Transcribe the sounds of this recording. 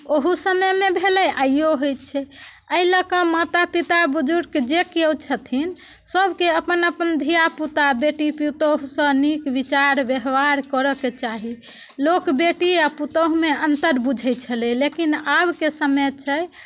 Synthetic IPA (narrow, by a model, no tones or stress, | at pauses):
oɦusəməjmebʱelɛʔaijoɦojt̪̚t͡ʃʰɛ | əiləkə̃mat̪apit̪abud͡ʒuɾked͡ʒekewt͡ʃʰət̪ʰin | səbʱkeəpənəpənd̪ʱijaput̪abeʈipit̪əɦusə̃nikbit͡ʃaɾbjəɦbaɾkəɾəket͡ʃaɦi | lokbeʈiaput̪əɦmeənt̪əɾbud͡ʒʱɛj̚t͡ʃʰəlɛlekinabkesəmet̪̚t͡ʃʰɛj